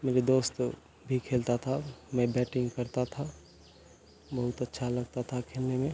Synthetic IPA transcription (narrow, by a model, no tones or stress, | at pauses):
meːɾed̪oːst̪ | bʱikʰeːlt̪at̪ʰamɛ̃bɛːʈɪ̃ŋɡkɐɾt̪at̪ʰa | bɐɦʊt̪ɐtːʃʰalɐɡt̪at̪ʰakʰeːlnemẽ